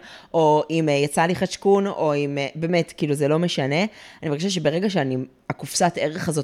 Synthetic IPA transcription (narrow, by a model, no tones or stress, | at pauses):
ʔo̞imjat͡saliχaʃkuno̞imbe̞ːme̞tkiiːluzelo̞meʃane̞animvaʁɡkaʃaʃ̬ebe̞ʁe̞ɡaʃeani | akufsate̞ʁeχazo̞